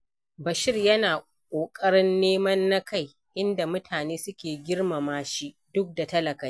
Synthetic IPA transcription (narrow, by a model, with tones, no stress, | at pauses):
bɐ˨ʃɪ˦rjɐ˦naː˨ | kʷʼoː˨kʼɐ˦ɽɪ˦nːeː˦mɐ˦nːa˦ka˦˨j | ʔɪ˦nda˨mʊ˦tʰaː˨neː˦sʊ˦kʲeː˨ɡʲɪ˦rma˨maː˦ʃi˦ | dʊ˦k̚da˨tɐ˦lɐ˨ka˨j